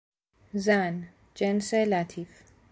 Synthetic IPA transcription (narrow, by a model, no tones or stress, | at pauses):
zan | d͡ʒɛnselaːt̪ʰif